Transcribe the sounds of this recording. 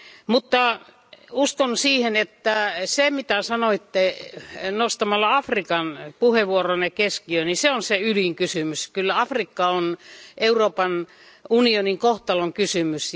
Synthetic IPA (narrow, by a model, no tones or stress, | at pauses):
mut̪ːɑ | uskonsiːhenet̪ːæsemit̪æsɑnoit̪ːe | nost̪ɑmɑlːɑɑfrikɑnpuheʋuoronekeskiøniseonseyliŋkysymyskylːæɑfrikːɑonʔeuroːpɑn | unioniŋkoht̪ɑloŋkysymys